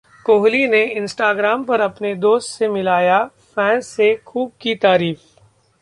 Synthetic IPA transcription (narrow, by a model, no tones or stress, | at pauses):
koːɦlineɪ̃nsʈaːɡɾaːmpɐɾɐpned̪oːst̪semɪlaːja | fɛ̃ːnsːexuːb̚kit̪aːɾiːf